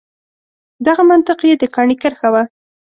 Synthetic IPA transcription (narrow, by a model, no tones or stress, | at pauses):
d̪aɣamant̪ɪqjed̪əkɑɳikəɾxawa